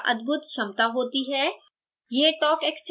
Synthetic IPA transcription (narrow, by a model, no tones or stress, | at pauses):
ʔɐ̰d̪bʱʊt̪ʃɐmt̪aɦoːt̪iɦɛː | jeːʈɔːkekst͡ʃ